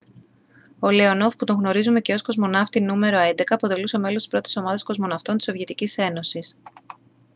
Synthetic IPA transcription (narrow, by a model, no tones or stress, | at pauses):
o̞leono̞fput̪o̞ŋɣno̞ɾizume̞ce̞o̞sko̞zmo̞nɐft̪inume̞ɾo̞e̞nd̪e̞kɐːpo̞t̪e̞lusome̞lost̪i̥sɾo̞t̪i̥so̞mɐðɐsko̞zmo̞nɐft̪o̞nt̪isovʝet̪icise̞no̞sis